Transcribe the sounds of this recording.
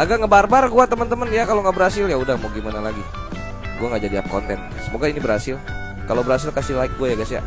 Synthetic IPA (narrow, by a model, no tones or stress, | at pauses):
aɡakŋəbarbarɡuat̪əmənt̪əmənjakaloŋɡaʔbəɾɦasɪljaudahmoɡimanalaɡi | ɡuaŋɡaʔd͡ʒadiap̚kont̪ɛn | səmoɡainibəɾhasɪl | kalobəɾhas̬ɪlkasilaɪk̚ɡuajaɡasja̰